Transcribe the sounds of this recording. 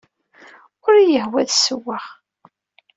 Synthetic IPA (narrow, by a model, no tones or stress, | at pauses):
ʊɾjəhwæðsəwːaʁ